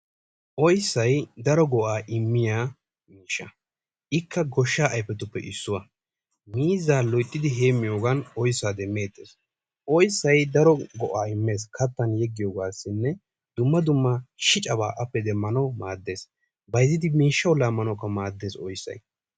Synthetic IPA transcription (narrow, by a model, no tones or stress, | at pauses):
ʔɔjsːɐjd̪ɐɾɔɡɔʔaːʔɪmːɪjaː | miːʃːɐ | ʔɪkːɐɡɔʃːaːʔɐjpːɛt̪ʊpːɛ̰ʔɪsːʊwɐ | miːzaːlɔjt̪ʼːɪd̪ɪɦe̞ːmːɪjoːɡɐnɔjsːaːd̪ɛmːe̞ːt̪ːe̞̰ːs | ʔɔjsːɐjd̪ɐɾɔɡɔʔaːɪmːe̞ːs̬kʰɐt̪ːɐnjɛɡːɪjoːɡaːsːɪnːɛ | d̪̥ʊmːɐd̪ʊmːɐʃɪt͡ʃʼɐba̰ːʔɐpːɛd̪ɛmːɐnɐwmaːd̪ːe̞ːs | bɐjzɪd̪ɪmiːʃːɐwlːaːmːɐnɐkːɐmaːd̪ːe̞ːsɔjsːɐ̰j